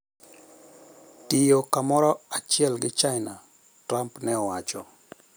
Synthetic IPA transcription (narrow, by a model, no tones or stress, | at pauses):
tɪjokamɔɾɔat͡ʃɪɛlɡɪt͡ʃaɪna | tɾampnɛɔwat͡ʃɔ